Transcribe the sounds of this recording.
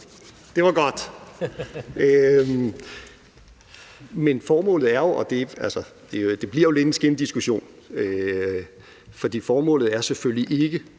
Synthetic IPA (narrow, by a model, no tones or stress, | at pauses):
d̥e̝ʋɑ̈ɡ̥ɒ̽d̥ | ø | menfɒːmɔ̰̽ːlð̩ˠæɐjo̝ʔɒ̽d̥e̝ælsɒd̥e̝d̥e̝b̥liɐ̰jo̝le̝d̥ensɡ̥end̥isɡ̥uɕo̝̰ːn | ø | fɒ̽d̥ḭːfɒːmɔ̰̽ːlð̞̩ˠæɐseføljiʔe̝ɡ̥ə